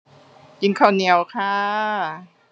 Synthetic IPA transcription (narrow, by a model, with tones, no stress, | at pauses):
ji˧nkʰaː˧˩ni˧ə˧wkʰaː˦˥